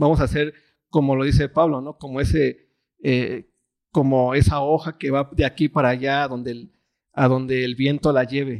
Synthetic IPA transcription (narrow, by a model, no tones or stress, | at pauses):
bamo̞sase̞ɾ | ko̞mo̞lo̞ðis̬e̞paβlo̞no̞ko̞moe̞se | e | ko̞moe̞sao̞xake̞βaðeakipaɾaʝaðo̞nd̪e̞ | aðo̞nd̪e̞ːlβje̞nt̪o̞laʝe̞βe̞